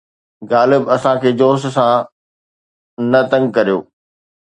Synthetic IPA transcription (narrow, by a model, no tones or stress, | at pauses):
ɡaːlɪbɐsãkʰeːd͡ʑoːs̆sã | nɐt̪ɐ̃ŋɡ̚kːɐɾijo̰ː